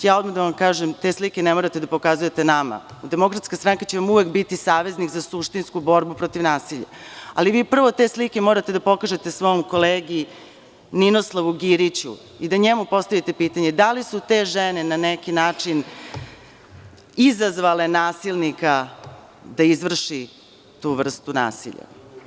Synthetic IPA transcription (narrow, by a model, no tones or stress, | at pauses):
jaːo̞d̪mad̪aʋamkaːʒemt̪e̞slikʲenemoɾat̪ed̪apo̞kazuje̞t̪enama̰d̪emo̞kɾat̪skast̪ɾaŋkat͡ɕe̞ʋamuʋe̞kbit̪isaːʋe̞znikzasuʂt̪inskubo̞ɾbupɾo̞t̪iʋnaːsiʎa̰a̰liʋiːpr̩ʋo̞t̪e̞slike̞moːɾat̪e̞d̪apo̞kaʒe̞t̪e̞sʋo̞mko̞leːɡi | ninoslˠaʋuɡiɾit͡ɕṵ | id̪aɲemupo̞st̪aʋʲjit̪e̞piːt̪aɲe̞d̪alisut̪eʒenenanekinaːt͡ʂin | izazʋale̞naːsilˠnika | d̪aizʋr̩ʃi | t̪uːʋr̩st̪una̰ːsḭʎa̰